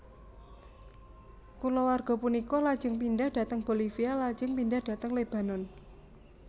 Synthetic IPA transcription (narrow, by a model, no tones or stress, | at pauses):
kulɔwarɡ̥ɔ̤punikɔlad̥d͡ʒ̥əŋpindahd̥ä̤t̪əŋb̥o̤lifialḁd͡ʒ̥əŋpindahd̥a̤t̪əŋleb̥ä̤nɔn